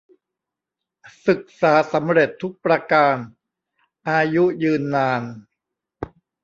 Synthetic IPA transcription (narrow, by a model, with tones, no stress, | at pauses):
sɯ˨˩k̚saː˩˦sa˩˦mɾe˨˩t̪ʰːu˦˥k̚pɾa˧kaː˧n | ʔaː˧ju˦˥jɯː˧nːaː˧n